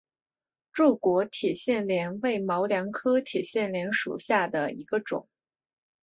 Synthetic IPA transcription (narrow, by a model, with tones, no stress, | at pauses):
ʈ͡ʂu˥˩kwɔ˧˥t̪ʰi˨˩ɕjɛ˥˩nljɛ˧˥nwe˥˩ɪmɑ˧˥ʊljɑ˧˥ŋkʰɤ˥t̪ʰi˨˩ɕjɛ˥˩nljɛ˧˥nʂṵ˨˩ɕja˥˩d̪ə˩i˧˥ɡə˧ʈ͡ʂʊ̰˨˩˦ŋ